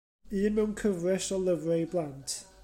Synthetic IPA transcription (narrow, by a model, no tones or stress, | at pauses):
ɨːnmɛwnkʰəvrɛsɔlˠəvrɛjblˠantʰ